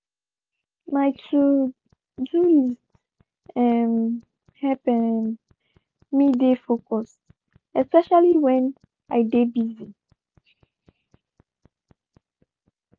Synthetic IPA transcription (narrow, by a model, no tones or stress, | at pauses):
majtʰu | d͡ʒuli | ɛm | hɛpɛ | midefokɔs | ɛspɛʃaliwɛ̃n | ajdebizi